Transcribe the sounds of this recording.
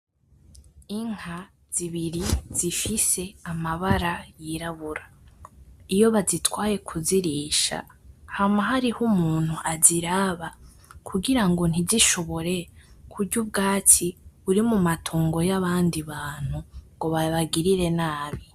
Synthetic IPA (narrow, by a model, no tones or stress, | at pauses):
iŋ̥ha | z̥iβiɾiz̥ifise̞amaβaɾajiɾaβuɾa | ijo̞βazitwaːje̞kʰuziɾiːʃa̰hamaɦaɾihumuːn̥huʔaziɾaːβa | kʰuɡiɾaŋɡo̞n̥iziʃo̞βo̞ɾe̞kʰuɾɟub̚ɡaːtiβuɾimumatʰuːŋɡo̞jaβaːndiβaːn̥huŋɡo̞βaβaɡiɾiɾe̞naːβi